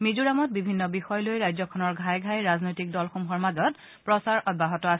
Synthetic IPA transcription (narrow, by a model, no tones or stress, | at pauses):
mizuɹamɔt̚bibʱinːɔbixɔjɔlojɹajzɔkʰɔnɔɹɡʱajɡʱajɹaznojtik̚dɔlxumxɔɹmazɔt | pɹɔsaɹʔɔd̚baɦɔtɔas